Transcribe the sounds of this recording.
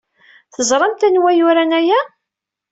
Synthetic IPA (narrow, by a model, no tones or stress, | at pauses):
θəzˤɾˤɑmt̪ænwæjʊɾænæjæ